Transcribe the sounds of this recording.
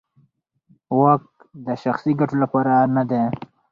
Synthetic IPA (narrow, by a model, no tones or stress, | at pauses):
wak̚ | d̪əʃaxsiɡaʈolapɑɾanad̪e